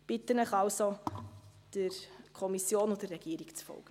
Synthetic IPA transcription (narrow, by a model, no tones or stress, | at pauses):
b̥ɪtːənəχɑlso | d̥əɾkʰɔmisjoːnʊdəːɛɡ̥iːɾikt͡sfɔ̰lɡ̥ə